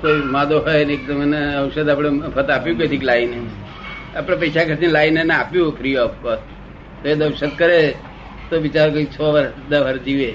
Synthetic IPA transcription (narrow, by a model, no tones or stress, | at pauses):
koimad̪oɦojnek̚d̪əmeneəʊʃəd̪apɽ̃epʰət̪apjũket̪ʰiklaine | apɽ̃epəjsakʰəɾt̪inlaineneapjũpʰɾiɔpkət̪ | t̪oed̪əʋʃəd̪̚kəɾe | t̪oʋit͡ʃaɾokoit͡ʃʰoʋəɾd̪əʋəɾd͡ʒiʋe